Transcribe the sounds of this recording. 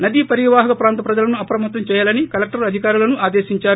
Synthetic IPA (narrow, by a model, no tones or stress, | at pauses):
nɐd̪ipɐɾiʋaːɦɐkɐpɾaːnt̪ɐpɾɐd͡ʒɐlɐnuɐpɾɐmɐt̪ʋɐmt͡ʃɛːjaːlɐnikɐlek̚ʈɐɾɐd̪ʱikaːɾulɐnuʔaːd̪eːʃiɲt͡ʃaːɾu